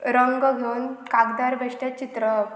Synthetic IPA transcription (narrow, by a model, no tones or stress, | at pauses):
ɾəŋɡəɡʱewnkaɡd̪aɾbʱeʂʈjat͡ɕit̪ɾə